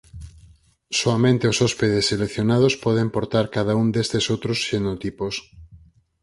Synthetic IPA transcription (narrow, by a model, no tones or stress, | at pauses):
soamẽnt̪eosɔspeðeselekθjonaðospɔðempoɾt̪aɾkaðaund̪est̪esowt̪ɾosʃenot̪ipos